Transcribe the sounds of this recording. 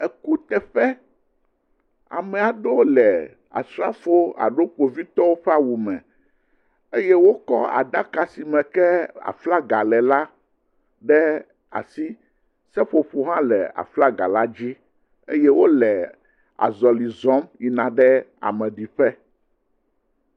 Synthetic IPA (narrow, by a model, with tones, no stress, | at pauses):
ɛ˨ku˦t̪ɛ˨ɸɛ˦ | a̰˨mɛ̃˨a˨ɖo˦wlɛ˨ | a̰˨sɾa˦fo˦a̰˨ɖo˦k͡po˨vi˦t̪ɔ˦wo˦ɸɛ˦a˨wu˨mɛ̰̃˨ | e˦jɛ˦wo˦kɔ˦a̰˨d̪a˦ka˨si˨mɛ̃˨kɛ˦a̰˨fla˦ɡa˨lɛ˨la˦ | ɖɛ˦ | a̰˨si˦ | sɛ˦ɸo˨ɸo˦ɦã˦lɛ̰˨a̰˨fla˦ɡa̰˨la˦d͡ʑi˦ | ḛ˦jɛ˦wo˦lɛ˨ | a̰˨zɔ˨li˨zɔ̃˦mi˨nã˨ɖɛ˦a̰˨mɛ̃˨ɖi˨ɸɛ˦